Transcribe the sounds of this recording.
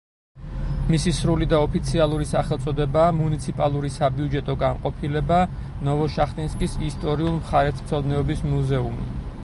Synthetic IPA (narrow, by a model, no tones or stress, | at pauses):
misisɾulid̪aɔpʰit̪sʰialˠuɾisaχɛlˠt̪sʼɔd̪ɛbaːmunit̪sʰipʼalˠuɾisabiud͡ʒɛt̪ʼɔɡanqʼɔpʰilɛba | nɔvɔʃaχt̪ʼinskʼisist̪ʼɔɾiulˠmχaɾɛt̪ʰm̥t̪sʰɔd̪nɛɔbismuzɛumḭ